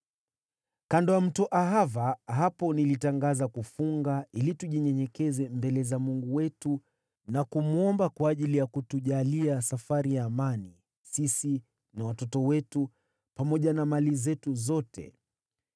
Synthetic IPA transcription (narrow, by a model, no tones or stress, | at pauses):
kandɔam̩tɔʔaɦavaɦapɔnilitaŋɡazakufuŋɡailituʄiɲɛɲɛkɛzɛmbɛlɛzamuŋɡuwɛtu | nakumuɔmbakwaːʄilijakutuʄaliasafaɾijaːmani | sisi | nawatɔtɔwɛtu | pamɔʄanamalizɛtuzɔtʰɛ̰